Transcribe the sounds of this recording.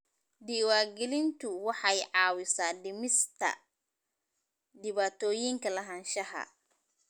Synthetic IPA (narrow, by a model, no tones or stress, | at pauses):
diwaːɡilint̪uwaħajʕaːwisadimist̪a̰ | diβat̪oːjiŋkɐlɐɦanʃaɦa̰